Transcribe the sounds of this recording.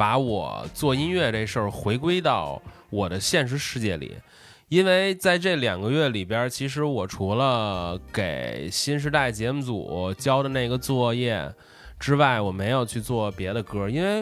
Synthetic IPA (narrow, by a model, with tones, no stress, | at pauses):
pa˧˥wɔ̰˨˩˦t͡swɔ˥˩i˥nɥɛ˥˧ʈ͡ʂe˥˧ʂə˞˥˩xwe˧˥ɪkwe˥ɪt̪ɑ˥˩ʊ | wɔ˨˩d̪ə˦ɕjɛ˥˧nʂ̬ɻ̩˧˥ʂɻ̩˥˧t͡ɕjɛ˥˩lḭ˨˩˦ | i˥nwe˥˧ɪt͡sa˥˧ɪʈ͡ʂɤ˥˩ljɑ˨˩ŋɡə˦ɥɛ˥˩li˨˩pjə˥t͡ɕʰi˧˥ʂ̬ɻ̩˧˥wɔ˨˩ʈ͡ʂʰu˧˥lə˧ke˨˩ɪɕi˥nʂ̬ɻ̩˧˥t̪a˥˩ɪt͡ɕjɛ˧˥mu˧˩t͡sṵ˨˩t͡ɕjɑ˥ʊd̪ə˨na˥˩i˧˥ɡə˧t͡swɔ˥˧jɛ˥˩ | ʈ͡ʂɻ̩˥wa˥˩ɪwɔ˨˩me˧˥ɪjo˨˩ʊt͡ɕʰy˥˧t͡swɔ˥˩pjɛ˧˥d̪ə˧kɤ˥i˥nwe˥˧ɪ